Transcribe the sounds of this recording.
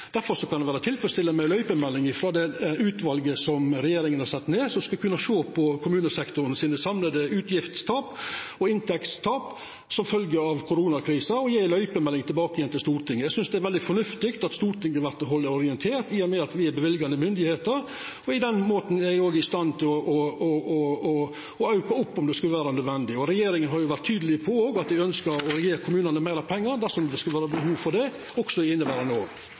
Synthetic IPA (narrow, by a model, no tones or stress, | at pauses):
d̪̥æɾfɔɾʂɔkɑnd̪ɛʋæːɾət̪ʰɪlfɾəst̪ɪlːəmæɪlœʏpəmɛlːɪŋɪfɾɑd̪ɛʉːt̪ʋɑlɡəsɔmɾɛjeːɾɪŋənhɑɾsɛt̪ːneːsɔmskɑkʰʉnːɑʂoːpʰɔkʰʊmʉːnəsɛkt̪ʊɾənsiːnəsɑmləd̪əʉːt̪jɪft̪st̪ʰɑːpɔɪnt̪ʰɛkst̪ʰɑːp | sɔmfœlɡəɑʋkʰʊɾuːnɑkʰɾiːsɑɔjeːlœʏpəmɛlːɪŋt̪ʰɪlbɑːkəjɛnt̪ɪlst̪uːɾt̪ʰɪŋːəjæsʏnsd̪ɛæɾʋɛld̪ɪfɔɳʉft̪ɪkt̪ɑt̪st̪uːɾt̪ʰɪŋːɑʋæɾt̪ɔɦɔld̪əɔɾɪɛnt̪ʰeːɾt̪iːɔmɛɑt̪ʋɪæɾbɛʋɪlɡɑnəmʏnd̪ɪheːt̪əɾ | ɔɪd̪ɛnmoːt̪n̩æɡoːɡɪst̪ɑnːt̪ʰɪlɔʔɔɔɔɔ | ɔɑʉkɑʊpːɔmd̪ɛskʉləʋæːɾɑnøœd̪ʋɛnd̪ɪɔɾɛjeːɾɪŋənɦɑɾjʊʋæɾʈt̪ʰːyːd̪əlɪpʰɔoːɡɑt̪̚d̪ɪœnskəɾɔɾɛjeːɾkʰʊmʉːnɑnəmæɪɾɑpʰɛŋːɑɾd̪æɾʂɔmd̪ɛskʉlʋæːɾɑbəɦuːʋfɔɖɛ | ɔksɔɪɪnːəbæɾɑnoː